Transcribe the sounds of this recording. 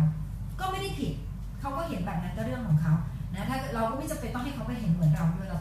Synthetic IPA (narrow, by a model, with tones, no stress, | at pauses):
kɔː˥˩ma˥˩jda˥˩jpʰi˨˩t̪̚ | kʰa˦˥wkɔː˥˩ɦe˨˩˦nbɛː˨˩na˦nk̪aː˧˩ɾɯ˥˩əŋkʰɔː˩˦ŋkʰa˦˥w | na˦˥t̪ʰaː˥˩kɾa˧wkɔː˥˩ma˥˩jt͡ɕa˨pa˧nt̪ɔ˥˩ŋɦa˥˩jkʰa˦˥wpa˧˩jɦe˩˦nmɯ˩˦ənɾa˧wnu˧˥˩laː˧˩